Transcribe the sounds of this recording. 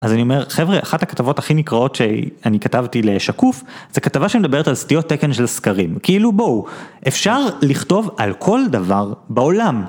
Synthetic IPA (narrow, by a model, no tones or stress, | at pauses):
ʔazanio̞me̞ʁχevʁeʔaχathakḁtavo̞thaχinikʁao̞tʃeanikatavtile̞ʃakufz̥ekatavaʃemedabe̞ʁetalstijo̞tːekenʃelskaʁimkiilubo̞wʔefʃaʁliχto̞valkʰo̞ldavaʁbeo̞lam